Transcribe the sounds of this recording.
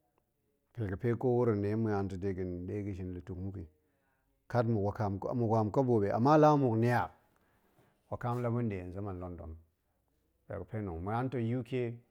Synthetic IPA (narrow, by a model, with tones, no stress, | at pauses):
pe˨ki˨pe˦ko˦wu˦ɾi˨ne˨˦mu˨ja˦nto˨de˦ɡi˨nde˦ɡi˨ʃ̬i˨nli˨tu˨kmu˦ki˨ | ka˦t̬mu˨ka˨mmu˨ɡʷa˨mko˦bo˨be˨ʔa̰˨mːa˦la˦mu˨kni˦a˨ | wa˨ka˦m˦la˦bu˦nde˨n˨za˦ma˨nlo˦ndo̰˨m | pḛ˨kə˨pe˦nu˨ŋmu˨ja˦n˦to˨ju˦ke˦